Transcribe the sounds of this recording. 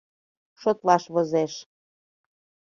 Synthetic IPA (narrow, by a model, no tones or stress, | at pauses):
ʃot̪lɑʃβozeʃ